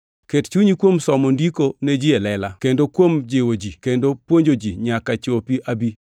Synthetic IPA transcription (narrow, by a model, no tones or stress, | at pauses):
kett͡ʃuɲikwomsɔmondikoned͡ʒielɛla̰kendokwomd͡ʒɪwod͡ʒikendopwoɲd͡ʒod͡ʒiɲakat͡ʃopiʔabi